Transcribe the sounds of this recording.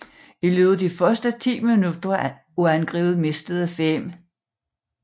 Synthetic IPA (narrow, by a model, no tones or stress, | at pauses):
ilyːðˠɐd̥ifɶɐsd̥ət͡sʰḭːminud̥ɐ | uænɡ̥ʁḭːð̩ˠme̝sd̥əð̩ˠəfem̰